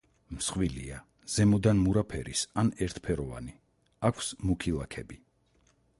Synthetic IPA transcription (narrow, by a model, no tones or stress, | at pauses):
msχwilḭa | z̥ɛmɔd̪anmuɾapʰɛɾḭsanɛɾt̪ʰpʰɛɾɔva̰ni | akʷʰsmukʰilˠakʰɛbi